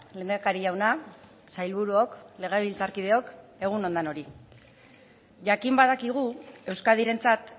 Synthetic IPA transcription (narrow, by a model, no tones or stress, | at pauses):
le̞nd̪akaɾiʝawna | sajlβuɾuo̞kle̞ɣ̞eβilt͡saɾkið̞e̞o̞ke̞ɣ̞uno̞nd̪ano̞ɾi | ʝakimbað̞akiɣ̞ue̞wskaðiɾe̞nt͡sat̪